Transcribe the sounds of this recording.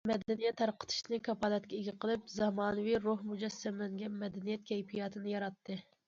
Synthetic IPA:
mɛd̪ɛnijɛt̪ʰːæɾqə̥t̪ʰɨ̥ʃnɨkʰɑpɑlˠɛt̪kʲɛeɡʲiqʰəlˠɨpzɑmɑːnɨviɾohmud͡ʒɛsːæmlɛŋɡʲɛnmɛd̪ɛnijɛt̪̚kʲʰɛjpʰijɑt̪ʰɨnɨjɑɾɑt̪ːɨ

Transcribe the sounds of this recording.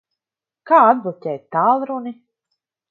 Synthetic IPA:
kaːad̪vɔtʲɛːt̪aːlˠɾuni

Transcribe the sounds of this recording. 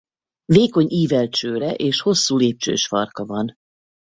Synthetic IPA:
veːko̞ɲʔiːvɛlt͡ʃøːɾɛʔeːʃho̞sːuːleːp̚t͡ʃø̰ːʃfɒ̰rkɒvɒn

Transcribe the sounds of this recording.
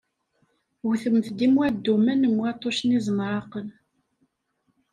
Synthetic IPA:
wθəmθd̪imwæd̪ːumænəmwæt̪ˤːoʃnizˤmɾˤɑqən

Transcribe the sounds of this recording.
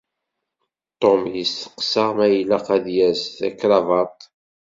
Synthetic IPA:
t̪ˤomjəsθə̥qːsəʁmæjəlːæqæðjæsθækːɾɑvɑɾt̪ˤ

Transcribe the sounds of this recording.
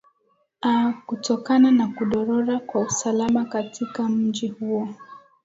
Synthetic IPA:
akutɔkananakuɗɔɾɔɾakwausalamakatʰikam̩ʄihuɔ

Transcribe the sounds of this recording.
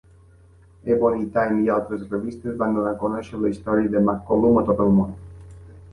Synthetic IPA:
ebonit̪ajmialˠt̪ɾəsreβist̪ezβand̪əvaŋkonɛʃələist̪ɔɾiəd̪əmakːolumət̪ot̪əlˠmond̪

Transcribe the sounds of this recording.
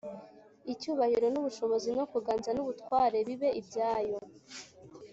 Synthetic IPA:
icuːβahiɾo̞nuβuʃo̞βo̞zino̞kuɡaːnzanuβutkwaːɾe̞βiβe̞ʔibɟaːjo̞

